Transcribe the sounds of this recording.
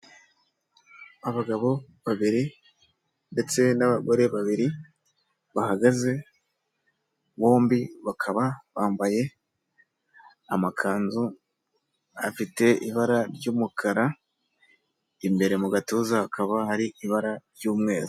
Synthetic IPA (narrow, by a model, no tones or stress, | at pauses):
aβaɡaβo̞ | βaβiɾi | nde̞t͡se̞naβaɡo̞ɾe̞βaβiɾi | βahaɡaze̞ | βo̞ːmbiβakʰaβaβaːmbaje̞ | amakʰaːnzu | a̰fite̞ʔiβaɾaɾɟuːmukʰaɾa | imbe̞ɾe̞muɡatuːzaakʰaβahaɾiiβaɾaɾɟuːmŋe̞ːzu